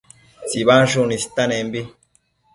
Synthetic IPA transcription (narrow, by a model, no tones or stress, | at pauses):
siβanʃ̬unisi̥t̪anembi